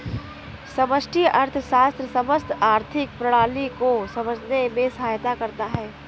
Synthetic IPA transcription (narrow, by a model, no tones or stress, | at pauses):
sɐməsʈʰiʔɐɾt̪ʰʃaːst̪ɾəsəməst̪aːɾt̪ʰɪk̚pɾəɽ̃aːlikosɐməd͡ʒʱnemẽsɐɦaːjt̪akɐɾt̪aɦɛː